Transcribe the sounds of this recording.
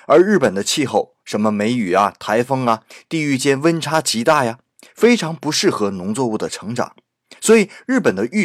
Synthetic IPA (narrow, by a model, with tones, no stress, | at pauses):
ə˞˧˥ɻɻ̩˥˩pə˨˩nd̪ə˦t͡ɕʰi˥˧xo˥˩ʊʂə˧˥nmə˧me˧˥ɪy˨˩ɐ˦t̪ʰa˧˥ɪfɤ˥ŋɐ˨t̪i˥˧y˥˧t͡ɕjɛ˥nwə˥nʈ͡ʂʰa˥t͡ɕʰi˧˥t̪a˥˩ja˩ | fe˥ɪʈ͡ʂʰɑ˧˥ŋpu˧˥ʂɻ̩˥˩xɤ˧˥nʊ˧˥ŋt͡swɔ˥˧u˥˩d̪ə˩ʈ͡ʂʰɤ˧˥ŋʈ͡ʂɑ̰˨˩˦ŋ | swɔ˧˥i˨˩˦ɻɻ̩˥˩pə˨˩nd̪ə˦ʔy˥˩